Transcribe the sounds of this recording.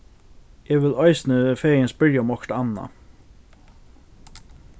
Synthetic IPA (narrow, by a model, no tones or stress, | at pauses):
ɛːʋɪlaɪsnəfeːenspɪɹjaʊmɔkʈ̪anːa̰